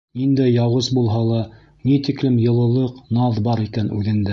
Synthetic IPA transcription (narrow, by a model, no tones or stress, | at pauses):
nind̪æjːɑwɤsbulˠɦɑlˠɑ | nit̪iklɘmjɤ̆lˠɤ̆lˠɤqnɑðbɑɾikænʔʉ̰ðɘ̆nd̪æ